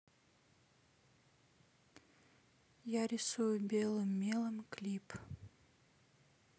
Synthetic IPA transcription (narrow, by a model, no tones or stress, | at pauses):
jaɾʲɪsujʊbʲelˠɨmːʲelˠɨmklʲip